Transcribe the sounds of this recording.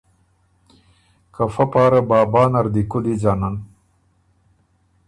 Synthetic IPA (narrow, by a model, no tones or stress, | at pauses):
kafapɑːɾabɑːbɑːnaɾd̪ikʊd̪id͡ʒaːnan